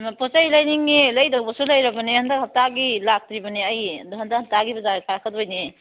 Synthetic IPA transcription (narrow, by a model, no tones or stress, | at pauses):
posajlɐjniŋːilɐjdɐwbɐsulɐjɾɐbɐnehɐndakhɐp̚taɡilak̚tɾibɐniɐjduɦɐndahɐp̚taɡibɐzaɡkʰaɾkʰɐdojni